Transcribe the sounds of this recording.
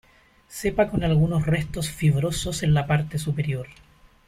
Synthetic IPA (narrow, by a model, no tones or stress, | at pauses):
sepakonalɣunosrest̪osfiβɾososenlapaɾt̪esupeɾjoɾ